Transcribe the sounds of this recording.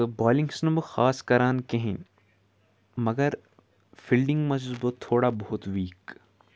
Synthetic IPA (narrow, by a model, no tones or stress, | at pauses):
baːlĩŋɡsnɐbɨxaːskɐɾaːnkeɦin | mɐɡɐɾ | fʰilɖĩŋɡmɐd͡ʒzbot̪ʰːoːɽabɐɦʊt̪ʋiːk